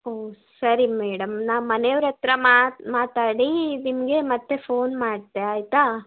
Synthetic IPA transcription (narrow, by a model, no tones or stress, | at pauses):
oːsɐɾimɛːɽɐmnaːʋmɐneʋɾɐt̪ɾɐmamaːt̪aːɽinimɐɡe̞mɐt̪ːepʰoːnmaːɽt̪eaːjt̪aː